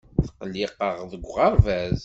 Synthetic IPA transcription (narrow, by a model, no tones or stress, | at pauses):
θə̥qːəlːiqːəʁðəɡʷʁəɾvæz